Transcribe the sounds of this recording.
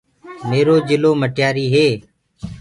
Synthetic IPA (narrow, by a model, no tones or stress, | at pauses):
meːɾoːd͡ʒɪloːməʈjaːɾiːɦeː